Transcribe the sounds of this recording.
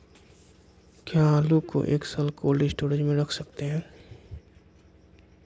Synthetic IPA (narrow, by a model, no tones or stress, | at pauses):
kjaaːluko̰ʔḛːksɐlkoːlɖisʈoːɾɪd͡ʒmẽɾɐkʰsɐk̚t̪eɦɛ̃ː